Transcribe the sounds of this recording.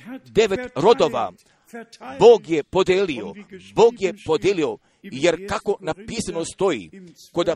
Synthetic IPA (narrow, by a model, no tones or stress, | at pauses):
d̪eʋet̪ɾo̞d̪oʋa̰ | boːɡjepod̪elioboːɡjepod̪jeːlio | jeɾkako̞napiːsanost̪o̞ḭ | kod̪a